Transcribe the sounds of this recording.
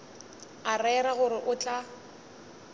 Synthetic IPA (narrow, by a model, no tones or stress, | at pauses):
arɛɾaɣʊɾɪʔʊt͡ɬʼa